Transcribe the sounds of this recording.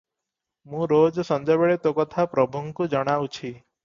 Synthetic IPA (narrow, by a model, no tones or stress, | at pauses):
mũɾod͡ʒsʌnd͡ʒɔbeɭet̪okɔt̪ʰapɾɔbʱuŋkud͡ʒəɽ̃awt͡ʃʰi